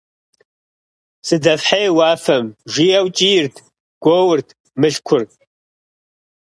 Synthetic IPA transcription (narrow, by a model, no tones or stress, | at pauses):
sɨdɐfħajwaːfɐmʒijawt͡ʃʼijɪrtʰ | ɡ̥ʷowʊrtʰ | mɨɬkʷʰʊrʼ